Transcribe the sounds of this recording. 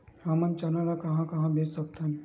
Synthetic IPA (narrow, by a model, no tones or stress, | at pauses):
amənt͡ʃanalakɐɦãkɐɦãbʱeːt͡ʃsɐk̚t̪aɦɛ̃